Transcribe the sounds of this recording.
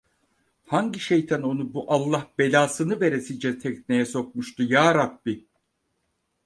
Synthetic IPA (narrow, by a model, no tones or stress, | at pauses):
haŋɟiʃejt̪ʰæno̞nubuʔalˠːahb̥e̞lʲaːsɯnɯve̞ɾesind͡ʒɛt̪ʰɛcnejɛso̞k̚muʃt̪ʰujaːɾabːi